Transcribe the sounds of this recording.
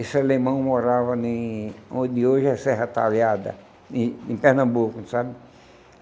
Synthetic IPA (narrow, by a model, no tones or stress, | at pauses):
esɪalemɐ̃w̃moɾavɐnẽõd̪ɪoʒɛsɛɦɐt̪aljad̪ɐ̰̃ | ẽpɛhnɐ̃bukʊsabɪ